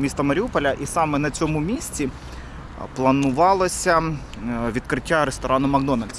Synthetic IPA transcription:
mʲist̪ɐmɐɾʲiupɔlʲɐʔisɑmɛnɐt͡sʲɔmʊmʲisʲt͡sʲi | plˠɐnʊʋɑlˠɔsʲɐ | ʋʲid̪̚kɾɪtʲːaɾest̪ɔɾɑnʊmɐɡd̪ɔnɐlʲd̪ʲsʲ

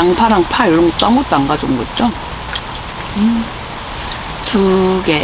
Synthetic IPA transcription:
aŋpʰaɾaŋpʰaɭːoŋot͈aŋut̪͈aŋɡad͡ʑomɡʌt̚t͡ɕ͈o | tʰuɡe

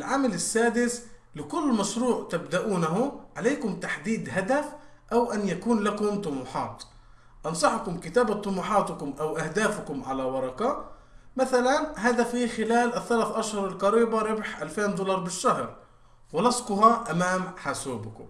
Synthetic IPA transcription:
ʔɪlʕamalɪsːaːd̪ɪslɪkʊlːmaʃɾuːʕt̪abd̪aʔuːnaɦʊʕaleːkʊmt̪aħd̪iːd̪ɦad̪af | ʔawʔanjakuːnlakʊmt̪ˤʊmuːħɑːt̪ | ʔɑnsˤɑħʊkʊmkɪt̪aːbat̪ˤʊmuːħɑːt̪ʊkʊmʔawʔahd̪aːfʊkʊmʕalawɑɾˤɑqɑ | maθalanɦaːðafiːxɪlaːlʔɪθːalaːθʔaʃhʊɾˤɪlqɑɾiːbaɾɪbħʔalfeːnd̪ʊːlɑɾˤbɪʃːahɾ | wɪlɑsqʊɦɑʔamaːmħasuːbʊkʊ̰m

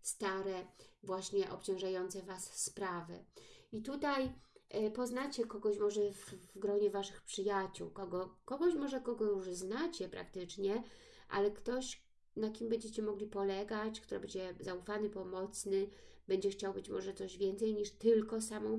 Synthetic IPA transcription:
st̪aɾɛvwaɕɲɛʔɔ̰pt͡ɕɔ̃w̃ʐajɔnt̪sɛvasːpɾavɘ̰it̪ut̪ajpɔznat͡ɕɛkɔɡɔɕmɔʐɛvvɡɾɔɲɛvaʂɘ̥xpʂɘjat͡ɕṵwkɔɡɔkɔɡɔɕmɔʐɛkɔɡɔjuʐznat͡ɕɛpɾa̰kt̪ɘt͡ʂɲɛ | ʔa̰lɛkt̪ɔɕ | nakʲimbɛɲd͡ʑɛt͡ɕɛmɔɡlʲipɔlɛɡat͡ɕkt̪uɾɛ̰bɛɲd͡ʑɛzaufanɘpɔmɔt̪snɘb̥ɛɲd͡ʑɛxt͡ɕawbɘt͡ɕmɔʐɛt̪sɔʑvʲjɛnt̪sɛjɲiʂt̪ɘlkɔsamɔ̃w̃

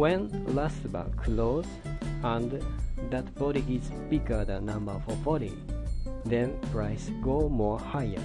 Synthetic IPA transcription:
wɛ̃nlasba̰kʰloz | ãndðat̪fɔɾiɡisb̥iɡə˞ðənʌ̃mbə˞fɔfɔɾḭ | ðɛɹpɹaɪsɡoːmɔɹhajə̰˞

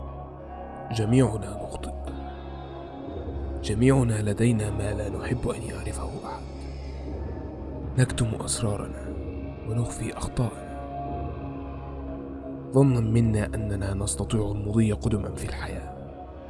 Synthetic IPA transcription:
d͡ʒamiːʕʊnaːnʊxt̪ˤɨʔ | d͡ʒamiːʕʊnaːlad̪ajnaːmaːlaːnʊħɪbːʔanjʊʕɾɪfahʊʔaħad̪ | nakt̪ʊmʔɑ̰sɾˤɑːɾˤɑ̰naː | wanʊxfiːʔɑxt̪ˤɑːʔɑna | ðˤɑnːamɪnːaːʔanːanaːnɑst̪ɑt̪ˤiːʕalmʊd̪ˤɨjːaqʊd̪ʊmanfilħajaː

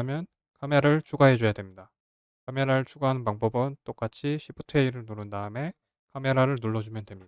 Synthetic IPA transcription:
mjʌn | kameɾɯɭt͡ɕʰuɡaɦe̞d͡ʑojadwe̞mɲida | kame̞ɾaɾɯɭt͡ɕʰuɡaɦanɯnpaŋbʌbɯnt͈ok͈at͡ɕʰiɕʰipʰutʰe̞iɾɯɭnuɾɯndaɯme̞ | kame̞ɾaɾɯɭnuɭːʌd͡ʑumjʌndwe̞mɲia

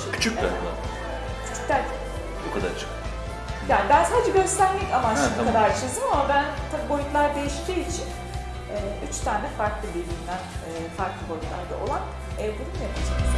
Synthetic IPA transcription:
kʰy̥t͡ʃʰykɛ̰ɾ̰lˠa̰ | i̥t̪ʰi̥c̚t̪ʰæɾt̪ʰi̥ | e | okʰad̪a̰ɾt͡ʃʰɯ̥k | jaːnibænsaːdd͡ʒaɟø̞st̪ʰæɾmɛcamaɯnkʰad̪aɾt͡ʃʰezɯmamabænt̪ʰabiːbolut̪lˠaɾd̪e̞jiʃt̪ʰiːit͡ʃʰin | ɛːyt͡ʃt̪ʰaːnɛfaɾklˠɯd̪elʲimd̪ænɛ | faɾklˠɯbolʲut̪lˠa̰ɾd̪a̰ʔo̞̰lˠan | ɛːbununjep̪ʰit͡ʃ

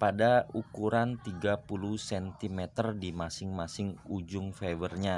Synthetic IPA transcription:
padaukuɾant̪iɡapuluhsɛnt̪imɛt̪ərdimasɪŋmasɪŋud͡ʒʊŋfɛwərɲa

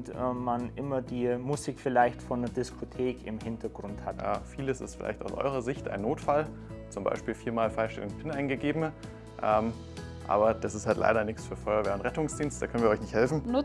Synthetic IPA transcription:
tɛːanʔɪmɐdiːmuziːkfɪlaɪçtfɔndɐdɪskʰotʰeːkɪmhɪntɐɡ̥ʁʊnthatja̰ːfiːləsɪ̰stfɪla̰ɪçtaʊsʔɔ̰ʏʁɐzɪçtʔa̰ɪnːoːtfal | t͡sʊmba̰ɪʃpiːlfiːɐmaːlfaɪʃtɛ̰lŋpʰɪnaɪnɡəɡeːbm̩ | ʔɛːm | ʔa̰ːbɐd̥asɪsthaltla̰ɪɾɐnɪçt͡sfyːɐfɔʏɐveːɐʊntʁɛtʊŋsd̥iːnstd̥aːkʰœnviːɐɔçnɪçthɛlfn̩nʊ

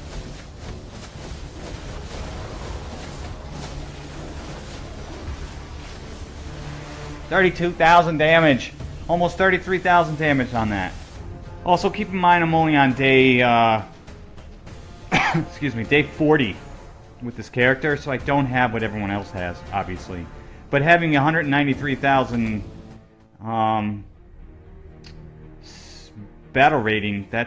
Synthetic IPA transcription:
θɜ˞ɾitʰʉθaʊzə̃ndæmɨ̥d͡ʒ̥ | ɔlˠmoʊst̪θɜ˞ɾiθɹiθaʊz̃ndæmɨd͡ʒn̩ðæ̰t̚ʔɔlˠsoʊkʰipɪ̃ŋmaɪ̃ñə̃mõʊniə̃ndeɪʌ | skjʉzmideɪfɔɹɾi | wɨðɪskʰɛɹɨk̚tə˞soʊaɪdõʊ̃nt̚ɦɨvwʌɾɛvɹiwʌ̃ñɛlˠshɨ̰z̥ɑ̰bviɨslḭb̥ʌt̚ɦævɪ̃ŋɨɦʌ̃ndɹɨdn̩nãɪ̃ntiθɹiθaʊzɨ̃n | ʌ̃m | b̥æɾl̩ˠɹeɪɾɪ̃ŋðɨ

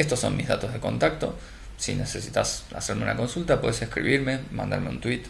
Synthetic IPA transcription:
est̪osːo̞̰nmizða̰t̪o̞zð̞e̞ko̞̰nt̪ak̚t̪o̞ | sḭne̞se̞sit̪asa̰seɾmeunako̞nsult̪apwe̞ðeseskɾḭβiɾmemã̰nd̪a̰ɾmeṵnt̪wit̪

